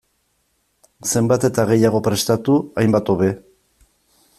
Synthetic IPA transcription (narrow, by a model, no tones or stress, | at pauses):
se̞mbat̪e̞t̪aɣ̞e̞jaɣ̞o̞pɾe̞st̪at̪uajmbat̪o̞βe̞